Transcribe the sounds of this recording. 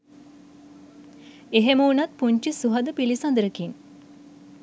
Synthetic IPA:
eɦeməunat̪̚puɲt͡ʃisuɦəd̪əpilisand̪əɾəkin

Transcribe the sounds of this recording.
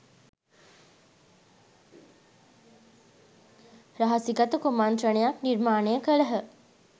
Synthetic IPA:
ɾɐɦɐsiɡɐt̪ukumant̪rənejakniɾmaːnejəkəɭəɦə

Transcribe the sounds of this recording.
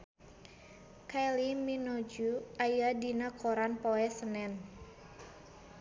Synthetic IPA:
kaliminɔd͡ʒuajadinakoɾanpɔɛsənɛn

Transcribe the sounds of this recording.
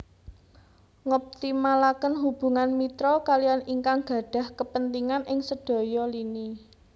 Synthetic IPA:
ŋɔp̚t̪imalakənɦub̥ṳŋanmit̪ɾɔkalijaniŋkaŋɡ̥ä̤ɖ̥a̤hkəpənt̪iŋanʔɪŋsəɖ̥ɔ̤jɔlini

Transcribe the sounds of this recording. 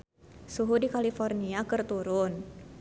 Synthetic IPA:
suɦudikalifɔrniakɨrt̪uɾʊn

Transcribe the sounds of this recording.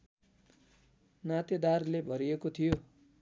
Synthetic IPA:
nat̪ed̪arlebʱʌɾiekot̪ʰijo

